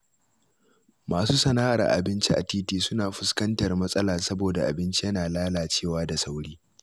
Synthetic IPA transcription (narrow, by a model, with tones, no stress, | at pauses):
maː˨suː˦sɐ˨naː˦ʔa˨rʔa̰˨bɪ˦nt͡ʃi˦ʔa̰˨tiː˦tiː˦sʊ˦naː˨ɸʊ˦skɐ˦ntɐ˨rmɐ˦sʼɐ˦laː˨sɐ˦boː˨da˨ʔa̰˨bɪ˦nt͡ʃi˦jɐ˦naː˨laː˦laː˨t͡ʃeː˦˨waː˦da˨sa˦wɽiː˦